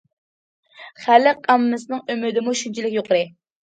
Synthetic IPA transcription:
χælːɪqʰɑmːɨsɨnɨŋømyd̪ɪmuʃynt͡ʃʰilɪkʲjoqəɾɨ

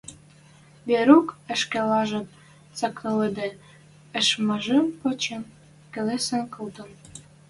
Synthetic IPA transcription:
beɾukə̆ʃkelɑʒɤ̆t | t͡sɑkɤ̆led̪e | ə̆ʃməʒə̆mpɤ̆t͡ɕen | kĕlesə̆nkɤld̪ə̆n

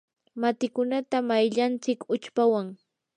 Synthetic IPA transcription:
mat̪ɪkʊnat̪amajʎant͡sɪkʊt͡ʃpawaŋ

